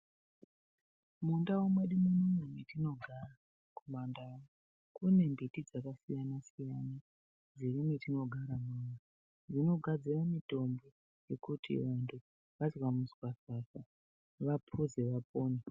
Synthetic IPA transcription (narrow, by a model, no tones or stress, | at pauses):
mundawomweɗimunumemwetino̞ɡʱara | kumandao | kune̞mbitid͡zakasijanasijana | d͡zirimwetino̞ɡʱaɾamuna | d͡zino̞ɡʱad͡ziramito̞mbo̞ | je̞kutʰḭʋantʰu | ʋazwamusi̥wasasa | ʋapʰuzeʋap̚oːne